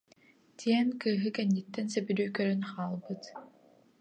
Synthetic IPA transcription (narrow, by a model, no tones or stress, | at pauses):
t̪ʰiɛnkɯːɦɯkɛnːit̪ːɛnsɛbyɾyːkœɾœnχaːlˠbɯt̪